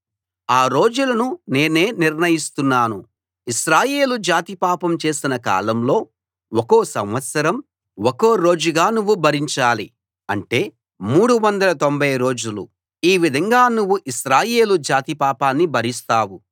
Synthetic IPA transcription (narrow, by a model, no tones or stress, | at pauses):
aːɾo̞ːd͡ʒulɐnune̞ːne̞ːniɾnɐjist̪unːaːnu | iʃɾaːje̞ːlud͡ʒaːt̪ipaːpɐmt͡ʃe̞ːsinɐka̰ːlɐmlo̞ː | oko̞ːsɐmʋɐt̪sɐɾɐm | oko̞ːɾo̞ːd͡ʒuɡaːnuʋːubʱɐɾiɲt͡ʃaːli | ɐ̰ɳʈe̞ː | muːɽuʋɐnd̪ɐlɐt̪o̞mbʱɐjɾo̞ːd͡ʒulṵ | iːʋid̪ʱɐŋɡaːnuʋːuʔiʃɾaːje̞ːlud͡ʒaːt̪ipaːpaːnːibʱɐɾist̪aːwu